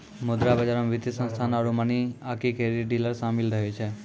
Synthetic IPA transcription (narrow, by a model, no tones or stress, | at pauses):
mʊd̪ɾabəd͡ʒaɾmʋɪd̪isə̃nst̪ʰanəɾumaniakikeɾiɖiləɾsamilt̪ʰəɦjũt͡ʃʰe